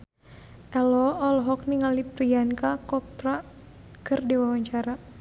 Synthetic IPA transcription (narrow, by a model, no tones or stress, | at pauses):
ʔɛlɔɔlɦɔk̚niŋalipɾiankakɔpra | kɨrdiwawaɲt͡ʃaɾa